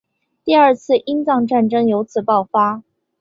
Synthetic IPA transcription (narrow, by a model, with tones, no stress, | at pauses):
t̪i˥˧ə˞˥˧t͡sʰɹ̩˥˩ʔi˥nt͡sɑ˥˧ŋʈ͡ʂa˥˩nʈ͡ʂɤ˥ŋjo˧˥ʊt͡sʰɹ̩˨˩pɑ˥˩ʊfa˥